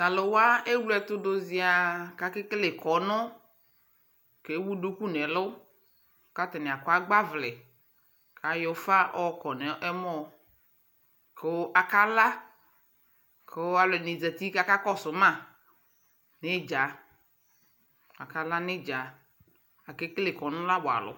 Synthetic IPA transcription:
da˨lo˨wa˦e˦wlɛ˨t̪ʊ˦do˨zɪ˨˦a˨ka˨˦kɪ˦kle˨kɔ˨nɔ̃˦ | ke˨˦wu˦do˦ku˦nɛ˨lʊ˦ | ka˦t̪ɛ˨nɛ˨a˨kɔ˦a˦ɡ͡ba˦vlɛ˨ | ka˨jɔ˨fa˦ʔɔ˦kɔ˨nɛ˨ɛ˦mɔ̃˦ | ke˨˦wa˨ka˦la˦ | ke˨wa˨lɔ˨nɪ˨d͡zɛ˨t̪i˦ka˦ka˦kɔ˦sʊ˨˦mã˦˨ | nɪ˦d͡ʒa˨ | a̰˨ka˦la˦nɪ̃˦d͡ʒa˨ | a˨kɪ˦kle˨kɔ˨nʊ̃˦la˦ba̰˨lʊ̰˨˦

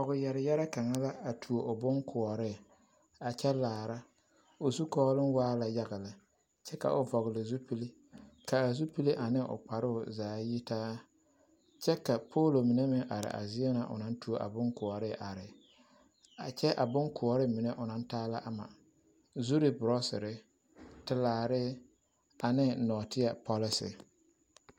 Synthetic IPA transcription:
ɔ˨ɣɪ˨jɛ˨ɾɪ˨jɛ˦ɾa˦ka˨ŋa˦la˦a˨tʰu˨o˨ʔʊ˨bʊ˦ŋkʰʊ˨ɔ˨ɾɪ˦˨ | a˨t͡ʃɛ˦laː˨ɾa˦ | ʊ˨zu˦kɔː˦lɪ˦nwaː˦la˨ja˦ɣɪ˨la˨ | t͡ʃɛ˦ka̰˨ʔʊ˨vɔ˨ɣɪ˨lɪ˨zu˦pi˦li˦ | ka˨a˨zu˦pi˦li˦ʔa˨nɪ˦ʔʊ̰˨k͡pa˨ɾʊ˦ʊ˨zaː˨˦ji˦taː˦ | t͡ʃɛ˦ka˨pʰoː˦lo˨mi˨ne˦mɪ˨ŋʔa̰˨ɾɪ̰˨ʔa̰˨zɪ˦ɛ˦na˨ʔʊ̰˨na˦n˦tu˦o˦ʔa̰˨bʊ˦ŋkʊ˨ɔ˨ɾɪ˦˨ʔa˨ɾɪ˨ | a˨t͡ʃɛ˦ʔa̰˨bʊ˦ŋkʰʊ˨ɔ˨ɾɪ˦mɪ˨nɛ˦ʔʊ˨na˦ntaː˦la˦ʔa˨ma̰˨ | zu˦ɾi˨bɾɔ˦sɪ̰˨ɾɪ˦ | tɪ˦laː˨ɾɪ˦ | a˨nɪ˦nɔː˨tɪ˦a˨pɔ˦lɪ˦sɪ̰˨

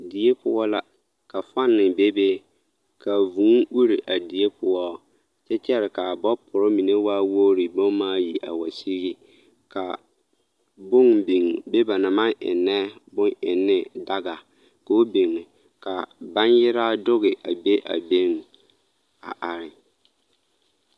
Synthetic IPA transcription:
di˨e˦pʊ˦ɔ˦la˦ | ka˨fa˦nːɪ˨be˦be˦ | ka˨vũ˨˦ŋu˦ɾi˨ʔa˨di˨e˦pʰʊ˦ɔ˦ | t͡ʃɛ˦t͡ʃɛ˦ɾɪ˨ka˨bɔ˦pʰʊ˨ɾʊ˦mi˨ne˦waː˦wo˦ɾi˨bo˦ŋ˦maː˦ji˨ʔa̰˨wa˨si˦ɣɪ˦ | ka˨ | bʊ˦ŋbi˨ŋbe˦ba˨na˨mã˦ʔɪ̰˨nːɛ˦bʊ̃˦ŋɪ˨nːɪ˦da˦ɡa˨ | ko˨˦bi˨ŋɪ˨ | ka˨ba˦njɪ˦ɾa˦dʊ˦ɣɪ˨ʔa̰˨be˦ʔa̰˨be˦ŋ˨ | a̰˨ʔa˨ɾɪ˨

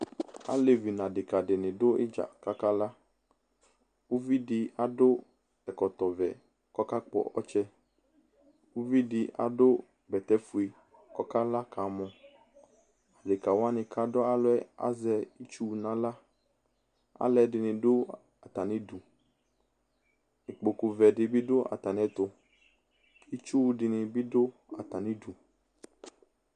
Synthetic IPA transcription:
a̰˦le˦vi˨nã˨ɖɪ˨ka˨ɖɪ˨nɪ̃˨ɖo˦e˦d͡ʒa̰˨ka˦ka˦la˦ | wo˦vi˦ɖɪ˨a̰˨ɖo˦ | ɛ˨kɔ˨t̪ɔ˨vɛ̰˨ | kɔ˦ka˦k͡pɔ̰˨ɔ̰˦t͡ʃɛ˦ | wo˦vi˦ɖɪ˨a̰˨ɖo˦ | bɛ˨t̪ɛ˦fu˨e˨ | kɔ˦ka˦la˦ka˨˦mɔ̃˨ | a˨ɖe˨ka˨wa˦nɪ̃˨ka˨dɔ˦a˨lɔ˦ɛ˦a̰˦zɛ˨i˦t͡ʃu˦˨nã˦la˦ | a̰˦lɛ˨dɪ˨nɪ̃˨ɖo˦ | a˨t̪a˨nĩ˦du˨ | e˨k͡po˨ku˨vɛ˨ɖɪ˨bi˦ɖo˦ʔa̰˨t̪a˨nɛ̃˨t̪o˨ | i˦t͡ʃu˦ɖi˨nɪ̃˨bi˦do˦ | a˨t̪a˨nĩ˦du˨

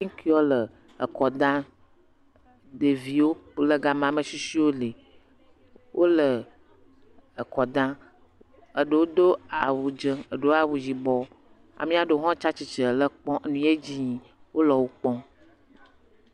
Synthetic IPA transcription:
ki˦ɔ˦lə˨ | ə˨kɔ˨d̪ã˦ | de˨vi˨wo˦lə˦ɡa˨mã˨˦mə˨si˦si˦wo˦le˨ | wʔo˦lə˨ | ə˨kɔ˨d̪ã˦ | ə˨ɖə˨wo˦d̪o˦a˨wu˨d͡ʒə˦ə˨ɖo˦a˨wu˨d͡ʑi˨bɔ˨ | a̰˨mĩ˦a˨ɖə˨˦ɦɔ̃˦t͡ʃa˦t͡ɕi˨t͡ʃə˨lə˦˨k͡pɔ̃˦ʔnũ˦e˦d͡ʑi˦ɲĩ˨ | wo˦lɔ˨wo˦k͡pɔ̃˦

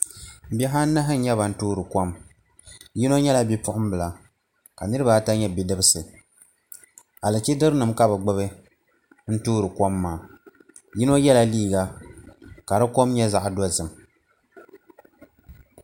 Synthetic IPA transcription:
bɛ˦ɦa˦n̩˦na˦ɦɨ˦n̩˦ɲɛ˦βa˨n̩˦tuː˦ɾɨ˨kɔ˦m | ji˦no˦ɲɛ˦la˦bi˦pʊ˦ʔʊ˦m˦bɨ˨la˨ | ka˨nɨ˦ɾɨ˦ba˨˦ta˦ɲɛ˦bi˦dɨ˦bɨ˦sɨ˨ | a˨lɨ˨t͡ʃi˦dɨ˦ɾnɨ˨mka˦bɨ˨ɡ͡bɨ˦βɨ˦ | n̩˦tuː˦ɾɨ˨kʷɔ˦mːaː˨ | ji˦no˦jɛ˦la˦liː˦˨ɡa˦ | ka˨ɾɨ˦ko˦mɲɛ˦za˦ʔdɔ˦zɨ˨m

